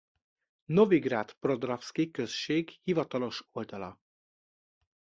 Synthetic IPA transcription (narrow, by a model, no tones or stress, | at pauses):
no̞viɡraːt̪pro̞d̪rafskikøsʃeːɡhivɒt̪ɒlo̞ʃo̞ld̪ɒlɒ̰